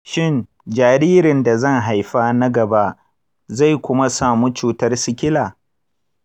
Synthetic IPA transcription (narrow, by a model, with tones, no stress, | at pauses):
ʃɪ˦˨n | d͡ʒaː˨ɾiː˦ɾɪ˨nda˨zɐ˦ŋɦa˨jɸaː˦na˦ɡɐ˨ba˦ʔ | za˦˨jkʷʊ˦ma˦saː˨mu˦t͡ʃuː˨tɐ˦rsɪ˦kʲɪ˦laː˨